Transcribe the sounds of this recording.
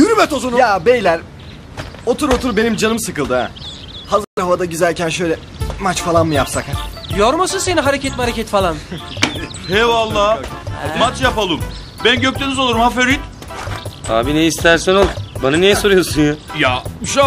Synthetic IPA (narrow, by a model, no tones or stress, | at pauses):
jyɾymɛt̪ozonujabejlʲæɾ | o̞t̪ʰuɾo̞t̪ʰuɾbe̞nimd͡ʒanɯmsɯkɯlˠd̪ɯja̰ | hazɯɾd̪ɾhavad̪aɟyzæɾcʰænʃø̞jlʲɛ | mat͡ʃfalˠanmɯjapsakjoɾmasɯnseniɦaɾecʰɛt̪̚maɾecɛt̪falˠan | hɛvalˠːaːmat͡ʃjapalˠɯm | bænɟøc̚t̪ʰenizo̞lˠuɾumhaføɾit̪ | a̰ːbineist̪ʰæɾsɛnolˠbananijɛso̞ɾujo̞sunjajaʃ